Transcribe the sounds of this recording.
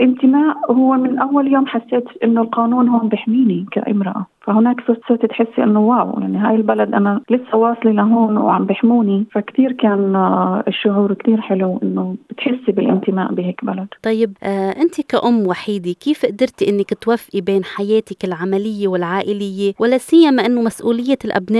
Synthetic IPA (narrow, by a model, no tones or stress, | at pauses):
lʔɪnt̪ɪmaːʔhʊwːemɪnʔawːaljoːmħasːeːt̪ʔɪnːolqɑːnuːnɦoːnbɪħmiːnika̰ʔɪ̰mɾɑʔafahʊnaːksʊɾt̪seːt̪it̪ħɪsːʔɪnːowaːw̰ja̰ʕniɦaːjɪlbalad̪ʔanalɪsːawɑːsˤlilaɦoːnwʕambɪħmuːnifakt̪iːɾkaːnɪʃːʊʕuːɾkt̪iːɾħɪluʔɪnːob̥ɪt̪ħɪsːibɪlʔɪ̰nt̪ɪma̰ːʔbɪheːkbalad̪̥t̪ˤɑjːɪbʔːʔɪnt̪ikaʔʊmːwaħiːd̪ikiːfʔʔd̪ɑɾˤt̪iʔɪnːakt̪wafʔibeːnħajeːt̪ɪkɪlʕamalɪjːewɪlʕaːʔɪlɪjːewɪlaːsɪjːamaʔɪnːomasʔuːlɪjːelʔa̰bnaː